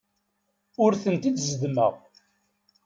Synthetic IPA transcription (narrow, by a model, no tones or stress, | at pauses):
ʊɾθənt̪id̪zəd̪mə̰ʁ